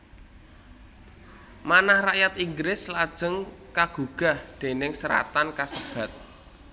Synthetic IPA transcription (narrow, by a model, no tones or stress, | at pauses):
manahrajat̪iŋɡɾɪslad̥ʒ̥ə̤ŋkaɡ̥ṳɡ̥a̤hd̪̥e̤nɪŋsəɾa̰t̪ankasəb̥a̤t̪̚